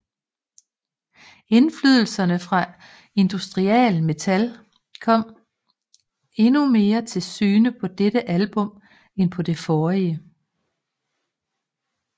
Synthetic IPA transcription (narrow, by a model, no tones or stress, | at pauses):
e̝nflyð̞ˠl̩sɐnəfʁɑ̈ | e̝nd̥usd̥ʁiɛ̰ːlme̝t͡sʰæl | kʰɒ̽m̰ | e̝nume̝ːɐt͡sʰe̝lsy̰ːnəpʰɒ̽d̥eɾ̥əʔælb̥ɔ̽m | enpʰɒ̽d̥e̝fɒːiə